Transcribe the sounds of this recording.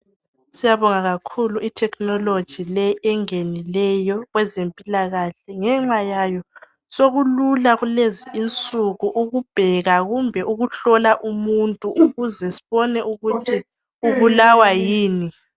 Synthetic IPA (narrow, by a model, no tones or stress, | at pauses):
sijaβɔŋaɣakʰuluitʰɛknɔlod̥ʒ̥ʱilɛɛŋenilɛjɔɣwɛzempʼilaɣaɬɛŋɛŋ͡ǁajajɔ | soɣululaɣuleziint͡sʼuɣuʔuɣub̥ʱɛɣaɣumbʱɛʔuɣuɬɔlaʔumuntʼuʔuɣuzɛsi̥βɔnɛʔuɣutʰi | uβulawajiːni